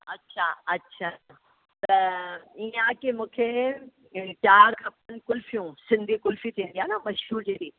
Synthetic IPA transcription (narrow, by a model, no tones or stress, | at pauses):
ɐtːɕʰaɐtːɕʰa | t̪ɐiãkemũːkʰe | t͡ɕaːɾkʰɐp̚ənɪ̆kʊlfijũsɪ̃nd̪ʱikʊlfit̪ʰĩːnd̪ijaːnamɐʃɦuːɾd͡ʑeːɾiː